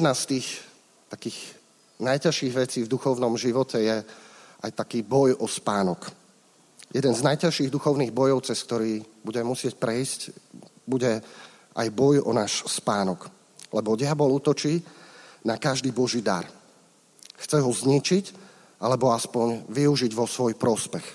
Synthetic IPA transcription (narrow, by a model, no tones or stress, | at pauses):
jɛd̪nast̪iːx | t̪akiːɣ | najcaʃiːɣʋɛt͡siːvd̪uxɔʊnɔmʒiʋɔcɛjɛʔajt̪akiːbɔjʔɔspaːnɔk | jʔɛd̪ɛnznajcaʃiːɣd̪uxɔʊniːɣbɔjɔʊt͡sɛsk̚t̪ɔɾiːbuɟɛmɛmusɪɛc̚pɾɛisc | buɟɛ | ʔa̰jbɔjɔ̰naːʃspaːnɔk | lɛbɔɟɪabɔlut̪ɔt͡ʃiːnakaʒd̪iːbɔʒiːd̪a̰ɾ | xt͡sɛɦɔzɲit͡ʃic | ʔalɛbɔaspɔɲʋiuʒiɟʋɔsʋɔjpɾɔspɛx